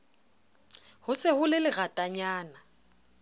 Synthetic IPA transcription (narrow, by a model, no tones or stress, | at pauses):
hʊsɪhʊlɪlɪɣatʼaɲaːna